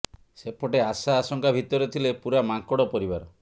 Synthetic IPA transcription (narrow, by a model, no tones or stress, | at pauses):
sepʰoʈeasaːsɔŋkʰabʱit̪ɔɾet̪ʰilepuɾamaŋkɔɽɔpɔɾibaɾɔ